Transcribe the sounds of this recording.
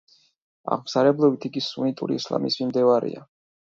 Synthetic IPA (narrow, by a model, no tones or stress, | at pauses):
a̰ʁmzaɾɛblˠɔbit̪ʰiɡisunit̪ʼuɾiːslˠa̰mismimd̪ɛvaɾḭa